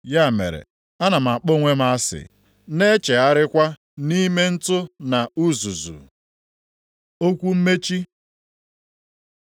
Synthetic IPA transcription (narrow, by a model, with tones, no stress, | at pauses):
ja˦˨mḛ˨ɾḛ˨ | a˦na˨m̩˨a˨k͡po˦˨ŋʷe˦m˦a˦sɪ̰˨ | ne˦t͡ʃe˨a˦ɾɪ˦kʷa˦ | ni˦me˦n̩˦tʊ˦na˨u˦zu˨zṵ˨ | o˦kʷu˦m̩˦me˦t͡ʃi˦